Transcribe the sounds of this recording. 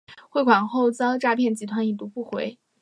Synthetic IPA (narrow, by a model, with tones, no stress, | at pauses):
xwe˥˩ɪkʰwa˨˩nxo˥˩ʊt͡sɑ˥ŋʈ͡ʂa˥˧pʰjɛ˥˩nt͡ɕi˧˥t̪ʰwa˧˥ni˨˩t̪u˧˥pu˥˩xwe˧˥ɪ